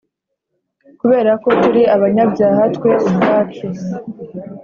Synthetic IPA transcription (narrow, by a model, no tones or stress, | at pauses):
kuβe̞ːɾako̞tuɾiʔaβaɲabɟaːɦatkwe̞ʔubɾaːke